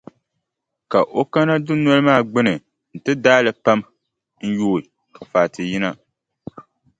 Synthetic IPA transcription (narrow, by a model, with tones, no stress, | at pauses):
ka˨ʔo˦ka˦na˦dʊ˦nɔ˦lɨ˦maː˦˨ɡ͡bɨ˦nɨ˨ | n̩˨tɨ˦daː˦lɨ˨pa˦m | n̩˦joː˦˨ | ka˨faː˨tɨ˨ji˦na˦